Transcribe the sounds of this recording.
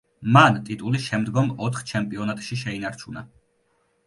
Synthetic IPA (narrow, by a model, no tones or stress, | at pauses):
mant̪ʼit̪ʼulisʃɛmd̪ɡɔmɔt̪ʰχt͡ʃʰɛmpʼiɔnat̪ʼʃiʃɛinaɾt͡ʃʰuna